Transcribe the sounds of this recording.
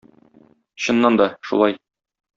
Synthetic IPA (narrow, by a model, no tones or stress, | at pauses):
ɕɤ̆nːɑnd̪ɒʃṵlˠɑj